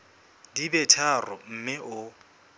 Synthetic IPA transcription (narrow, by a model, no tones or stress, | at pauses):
dibɛtʰarɔm̩mɪʔʊ